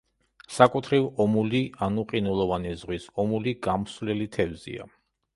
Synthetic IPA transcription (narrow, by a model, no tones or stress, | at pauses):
sakʼut̪ʰɾivɔmulianuqʼinulˠɔvanizʁwisɔmuliɡamsvlɛlit̪ʰɛvzḭa̰